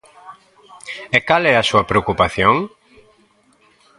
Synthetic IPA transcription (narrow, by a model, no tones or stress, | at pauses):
ekalɛɐsuɐpɾeokupaθjoŋ